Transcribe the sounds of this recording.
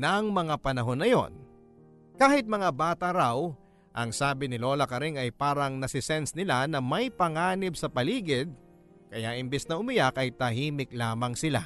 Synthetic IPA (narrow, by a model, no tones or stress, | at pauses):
nɐŋmɐŋapɐnɐɦo̞nːɐjo̞̰n | kaːhɪt̪̚mɐŋabaːt̪ɐɾaw | ʔɐŋsaːbɪnɪlo̞ːlɐkɐɾɪŋɐjpaːɾɐŋnɐsɪsɛnsnɪlanɐmɐjpɐŋaːnɪbsɐpɐliːɡɪd̪̚ | kɐjaʔɪmbɛsnɐʊmɪjakɐjt̪ɐɦiːmɪklaːmɐŋsɪla̰